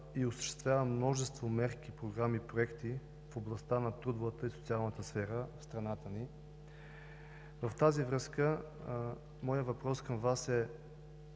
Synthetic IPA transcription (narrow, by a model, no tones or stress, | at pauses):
iosə̥ʃt̪ɛ̥st̪vʲjavəmnɔʒɛst̪vomɛɾk̟ipɾoɡɾamipɾoɛkt̪i | foblˠɐst̪anɐt̪ɾud̪ovət̪əiso̥t̪sialˠnət̪əsfɛɾəfst̪ɾɐnat̪əni | vəft̪azivɾɤskə | mɔjəvɐpɾɔskəmvasɛ